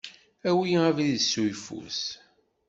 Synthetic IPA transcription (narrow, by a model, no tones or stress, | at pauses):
æwiæviðsːujfṵs